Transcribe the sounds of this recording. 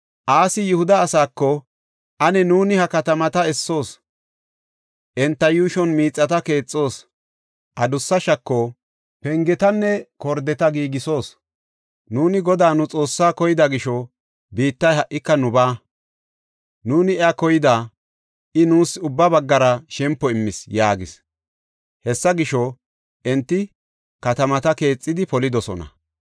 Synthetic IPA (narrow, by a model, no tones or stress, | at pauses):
ʔaːsɪjʊhʊd̪ɐːsaːkːɔ | ʔɐnɛnuːnɪhɐkɐt̪ɐmɐt̪ɐɛsːo̞ːs | ʔɛnt̪ːɐjuːʃɔnmiːt͡sʼːɐt̪ɐke̞ːt͡sʼːo̞ːs | ʔɐd̪ʊsːɐʃɐkːɔ | pɛŋɡɛt̪ɐnːɛkɔɾd̪ɛt̪ɐɡiːɡɪso̞ːs | nuːnɪɡɔd̪aːnʊt͡sʼo̞ːsːaːkɔjɪd̪ɐɡɪʃɔ | biːt̪ːɐjɦɐʔɪkːɐnʊbaː | nuːnɪɛakɔjɪd̪aː | ʔɪnuːsʊbːɐbɐɡːɐɾɐʃɛmpːɔɪmːɪsjaːɡɪs | hɛsːɐɡɪʃɔ | ʔɛnt̪ːɪ | kɐt̪ɐmɐt̪ɐke̞ːt͡sʼːɪd̪ɪpɔlɪd̪ɔsɔ̰nɐ̰